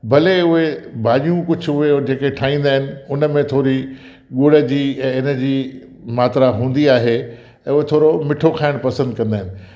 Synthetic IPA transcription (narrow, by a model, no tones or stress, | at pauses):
bʱɐleʊɦebʱaːʄijũkʊd͡ʑʱʊɦed͡ʑeːkeʈʰaːĩːn̆d̪aːɦɪnɪ̆ʊnəmẽt̪ʰoːɾi | ɠoːɽəd͡ʑiːɛ̃ɪnəd͡ʑiː | maːt̪ɾaɦũːnd̪iaːɦe | ɛ̃ːʊɦet̪ʰoːɾomɪʈʰokʰaːɪɽ̃pɐsə̃nd̪kɐ̃nd̪aːɦɪnɪ̆